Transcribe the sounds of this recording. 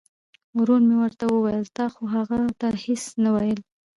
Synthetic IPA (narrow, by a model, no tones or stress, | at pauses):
wɾunmewəɾt̪awəwajəlt̪ɑxoɦaɣat̪ahesnawajəl